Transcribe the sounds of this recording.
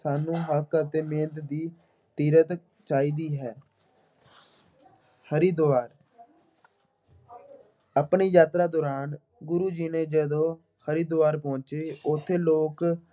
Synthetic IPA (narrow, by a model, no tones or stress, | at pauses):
saːnũːɦəkət̪eːmẽːnd̪d̪iː | t̪iːɾət̪ | t͡ʃaːiːd̪iːɦɛː | həɾiːd̪oaːɾ | apɳiːjaːt̪ɾaːd̪oːɾaːn | ɡʊɾuːd͡ʒiːneːd͡ʒəd̪õː | həɾiːd̪oʋaːɾpɔ̃ːnt͡ʃeːʊt̪ʰːeːloːk